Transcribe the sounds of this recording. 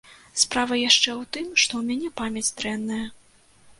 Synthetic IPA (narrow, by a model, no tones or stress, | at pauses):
spɾavɐjaʂt͡ʂɛwt̪ɨmʂt̪ɔwmʲanʲɛpamʲɐt͡sʲd̪ɾɛnːɐjɐ